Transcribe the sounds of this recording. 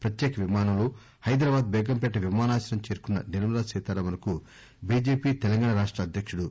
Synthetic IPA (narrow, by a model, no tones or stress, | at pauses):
pɾɐt̪jɛːkɐʋimaːnɐlu | hɐjd̪ɾɐːbaːd̪bɛːɡɐmpɛʈːɐʋimaːnaːt͡ʃɐɾɐmt͡ʃeːɾukunːɐ̰neluuɾaːsɛːt̪aːɾɐʋɐɾɐku | biːd͡ʒe̞ːpiːt̪ɛlɐŋɡaːɳɐɾaːʂʈɾɐːd̪ʱjɐkʂuɽu